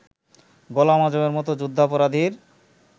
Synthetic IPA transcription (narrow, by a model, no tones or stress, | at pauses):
ɡɔlamad͡ʑomeɾmɔt̪od͡ʑud̪ʱːapɔɾad̪ʱiɾ